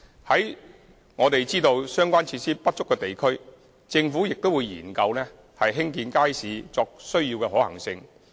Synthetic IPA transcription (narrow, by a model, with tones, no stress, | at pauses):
hɐ˨˥j | ŋɔː˨˧t̪e˨jt͡siː˥t̪o˧wsœː˥ŋkʷaː˥nt͡sʰiː˧t̚siː˥pɐ˥t̚t͡ʃʊ˥kːɛː˧t̪e˨jkʰɵ˥ɥ | t͡sɪ˧ŋfuː˨˥jɪ˨k̚t̪o˥wuː˨˧jjḭː˨˩nkɐ˧wnɛː˥ | hɐ˨jɦɪ˥ŋkiː˧nkaː˥jsiː˨˧t͡sɔː˧k̚sɵ˥ɥjiː˧wkɛː˧ɦɔː˨˥hɐ̰˨˩ŋsɪ˧ŋ